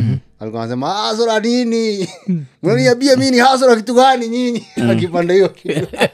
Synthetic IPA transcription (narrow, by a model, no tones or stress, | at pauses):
a̰likɔnasɛmaas̬ɔɾadini | maliaɓiaminihas̬ɔɾakit̪uɡaniɲiɲiakipandaiɔkitu